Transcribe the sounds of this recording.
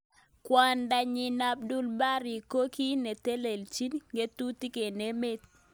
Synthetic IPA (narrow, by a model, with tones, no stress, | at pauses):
kwa˨nda˨ɲɪ˨na˦b̚du˦lba˦ɾi˨ko˦ki˦ne˨t̪e˦le˨lt͡ʃi˦nŋɡe˦t̪u˦ti˦ke˨ne˦me˦t̪